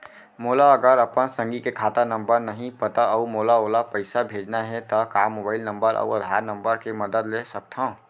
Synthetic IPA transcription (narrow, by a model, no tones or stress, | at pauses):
moːlaəɡəɾəpənsə̃ŋɡikekʰaːt̪anə̃mbəɾnəɦĩpət̪aəmoːlaoːlapəɪsabʱeːd͡ʒnaɦɛt̪ɐkaːmːobaːɪlnə̃mbəɾʔɔ̰uəd̪ʱaːɾnə̃mbəɾkeməd̪əd̪lesək̚t̪ʰã